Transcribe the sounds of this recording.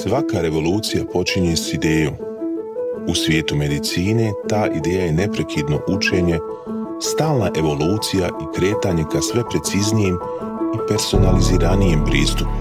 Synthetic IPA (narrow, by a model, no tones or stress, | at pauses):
sʋakaɾe̞ʋo̞luːt̪sijapo̞t͡ʃiɲe̞sid̪e̞ːjo̞ːm | usʋje̞ːt̪ume̞d̪it̪siːne̞t̪aːʔid̪e̞ːjaje̞ne̞pɾe̞kʰid̪no̞̰ʔut͡ʃe̞ːɲe̞ | st̪aːlˠnaʔe̞ʋo̞luːt̪sijaʔikɾe̞ːt̪aɲe̞kasʋe̞pɾe̞t̪siznijem | ipe̞ɾso̞naliziːɾanijempɾiːst̪up